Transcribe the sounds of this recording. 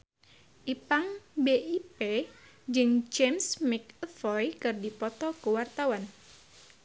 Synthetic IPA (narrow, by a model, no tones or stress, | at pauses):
ʔipaŋbeipe | d͡ʒɨŋd͡ʒemsmɪk̚əfɔjkɨrdipɔt̪ɔkuwart̪awan